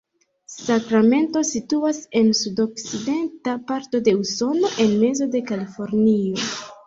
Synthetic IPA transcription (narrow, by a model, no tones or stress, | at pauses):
sakɾame̞nto̞situase̞nsudo̞kside̞ntapaɾto̞de̞uso̞no̞ʔe̞nme̞zo̞de̞kalifo̞ɾnio̞